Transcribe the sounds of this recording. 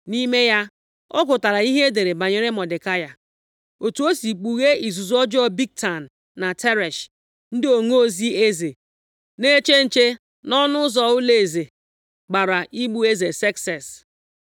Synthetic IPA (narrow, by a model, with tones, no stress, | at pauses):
ni˦me˦ja˦ | ɔ˦ɡʊ˨ta˨ɾa˨i˦ɦe˦de˨ɾe˨ba˨ɲe˨ɾe˦mɔ˨dɪ˨ka˦ja˨ | o˨tu˨o˦si˨k͡pu˨ɣe˦i˨zu˨zɔ˦d͡ʒɔ˦bi˦k̚ta˨n̩ː˨a˨te˦ɾɛ˨ʃ | n̩˦dɪ˦o˨ŋo˦o˦zi˦e˦ze˨ | ne˦t͡ʃe˦n̩˨t͡ʃe˦ | nɔ˦nʊ˦ʊ˦zɔ˨ʊ˦le˨e˨ze˨ | ɡ͡ba˨ɾa˨ʔi˦ɡ͡bu˦e˦ze˨sɛ˦ksɛ˨s